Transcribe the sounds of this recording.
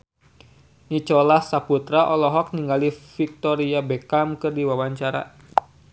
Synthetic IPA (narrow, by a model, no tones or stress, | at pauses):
nit͡ʃɔlahsaput̪ɾaʔɔlɔɦɔk̚niŋɡalifik̚t̪ɔɾiabekamkɨrdiwawaɲt͡ʃaɾa̰